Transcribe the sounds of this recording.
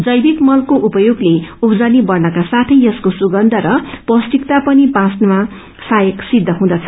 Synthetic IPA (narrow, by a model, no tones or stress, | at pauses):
d͡zʌjbikmʌlkoʔupʌjoɡleupʌd͡zʌnibʌrnʌkasat̪ʰʌjʌskosuɡʌnd̪ʱʌɾʌpʌsʈ̪ikt̪apʌnipãsnma | sajʌksid̪ʱːʌɦũd̪ʌt͡sʰʌ̥